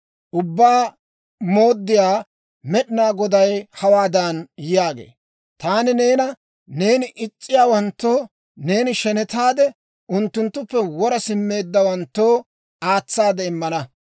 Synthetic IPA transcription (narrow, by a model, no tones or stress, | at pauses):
ʔʊbːaː | mo̞ːd̪ːɪjaː | mɛɗɪnaːɡɔd̪ɐjhɐwaːd̪ɐnjɪjaːɡḛː | t̪aːnɪne̞ːnɐ | ne̞ːnɪʔɪt͡ʃʼːɪjaːwɐnt̪ːo̞ː | ne̞ːnɪʃɛnɛt̪aːd̪ɛ | ʔʊnt̪ːʊnt̪ːʊpːɛwɔɾɐsɪmːe̞ːd̪ːɐwɐnt̪ːoː | aːt͡sːaːd̪ɛɪmːɐnɐ